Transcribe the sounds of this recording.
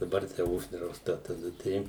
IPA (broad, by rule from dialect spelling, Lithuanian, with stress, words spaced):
dɐˈbɐr tɐɪ ˈʊʒdrɐʊstɐ tɐˈdɐ ˈtɐɪ